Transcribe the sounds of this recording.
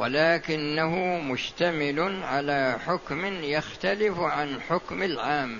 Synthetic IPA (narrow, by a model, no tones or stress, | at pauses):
wa̰laːkɪnːaɦʊmʊʃt̪amɪlʊʕalaːħʊkmɪnjaxt̪alɪfʕanħʊkmalʕaːm